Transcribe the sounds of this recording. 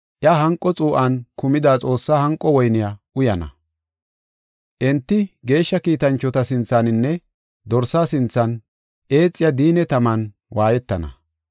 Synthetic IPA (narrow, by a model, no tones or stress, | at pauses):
ʔɪɐɦɐŋkʼːɔt͡sʼuːʔɐnkʊmɪd̪aːt͡sʼo̞ːsːaːhɐŋkʼːɔwɔjnɪjaʔʊjɐnɐ̰ | ʔɛnt̪ːɪɡe̞ːʃːɐkiːt̪ɐnt͡ʃːɔt̪ɐsɪnt͡sːanɪnːɛ | d̪ɔɾsaːsɪnt͡sːɐn | ʔe̞ːt͡sʼːɪjɐd̪iːnɛt̪ɐmɐn | wʔaːjɛt̪ːɐnɐ̰